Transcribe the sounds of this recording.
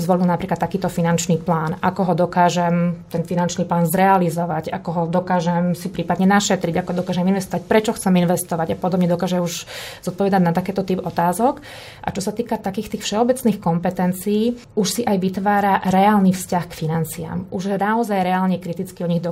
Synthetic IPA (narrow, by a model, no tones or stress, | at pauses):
zʋɔlilnapɾiklat̪ːakiːt̪ɔfinant͡ʃniːplaːnakɔɦɔd̪ɔkaːʒɛmt̪ɛnfinant͡ʃniːplaːnzɾɛalizɔʋaɟakɔɦɔd̪ɔkaːʒɛmsipɾiːpad̪ɲɛnaʃɛt̪ɾiɟakɔd̪ɔkaːʒɛminʋɛst̪ɔʋac̚pɾɛt͡ʃɔxt͡sɛminʋɛst̪ɔʋaɟapɔd̪ɔbɲɛd̪ɔkaːʒɛmuʒz̥ɔt̪pɔʋɛd̪aɟnat̪akɛːt̪ɔt̪iːbɔt̪aːzɔk | ʔa̰t͡ʃɔsat̪iːkat̪akiːxt̪iːxfʃɛɔbɛt͡sniːxkɔmpɛt̪ɛnt͡siiː | uʃsiʔajʋit̪ʋaːɾaɾɛaːlniːfscaxkfinant͡sia̰mʔuʒjɛnaɔzajɾɛaːlɲɛkɾit̪it͡skiɔɲiɣd̪ɔ